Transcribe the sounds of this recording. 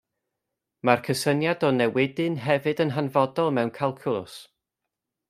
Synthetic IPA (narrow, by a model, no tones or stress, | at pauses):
markʰəsənjadɔnɛwɪdɨnɦɛvɨdənɦanvɔdɔlˠmɛwnkʰalˠkʰʊlˠʊ̰s